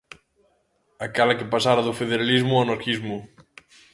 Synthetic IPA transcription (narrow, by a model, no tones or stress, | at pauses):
akalakepasaɾaðʊfeðeɾalizmʊanaɾkizmʊ